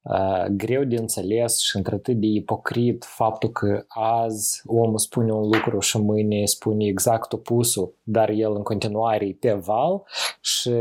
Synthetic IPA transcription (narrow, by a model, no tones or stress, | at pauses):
ə̰ɡɾe̞wd̪ʲeɨnt̪selʲe̞sʃiɨnt̪ɾʲeat̪ɨt̪̚d̪ʲe̞ipo̞kɾit̪fap̚t̪ulkʰəazomuspunʲeunlukɾuʃimɨnʲespunʲeːɡzakt̪o̞pusud̪arjelɨŋko̞nt̪inuaɾepʲevalʃi